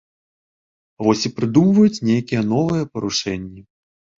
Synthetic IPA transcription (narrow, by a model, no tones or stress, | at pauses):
vɔsʲipɾɨd̪umvɐjut͡sʲnʲejkʲijɛn̪ɔvɨjɛpɐɾuʂɛnʲːi